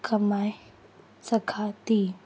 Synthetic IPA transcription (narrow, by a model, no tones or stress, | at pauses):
kʰɐmaj | səkʰat̪i